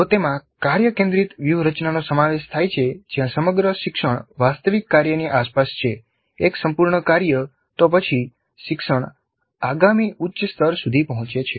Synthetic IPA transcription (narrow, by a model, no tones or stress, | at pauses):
t̪ot̪emãkaɾjəkẽnd̪ɾit̪ʋjuɾət͡ʃnanosəmaʋeʃt̪ʰajt͡ʃʰed͡ʒjãsəməɡɾəʃɪkʃəɳ̃ʋast̪əʋikːaɾjəniʔaspast͡ʃʰe | eksəmpuɾɳəkaɾjə | t̪opət͡ʃʰi | ʃɪkʃəɳ̃ | aɡamiʔutːʃəst̪ʰəɾsud̪ʱipəɦɔ̃t͡ʃet͡ʃʰe